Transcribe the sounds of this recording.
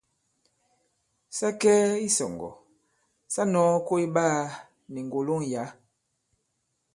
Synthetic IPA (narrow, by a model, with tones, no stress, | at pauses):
sa˦kɛ˦i˦sɔ̰˨ŋɡɔ̰˨ | sa˦nɔ˨˦ko˦i˦ɓaː˦˨ | ni˨ŋ˨ɡo˨lo˦ŋ˨ja˨˦